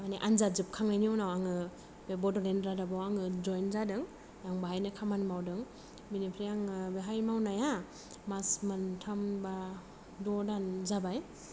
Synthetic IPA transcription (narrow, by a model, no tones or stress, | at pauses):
maniʔanzazɯp̚kʰaŋnajniunawaŋɯ | bebɔdɔlenɾadabawaŋɯd͡ʒɔjnzadɯŋ | jaŋbaɦajnɯkʰamanmawdɯŋ | minipʰɾijaŋɯbeɦajmawnaja | masmantʰamba | dɔdanzabaj